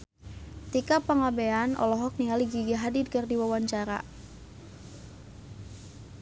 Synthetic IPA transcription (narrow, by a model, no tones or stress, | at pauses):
t̪ikapaŋabeanɔ̰lɔɦɔk̚nialiɡiɡaɦadid̚kɨrdiwawaɲt͡ʃaɾa̰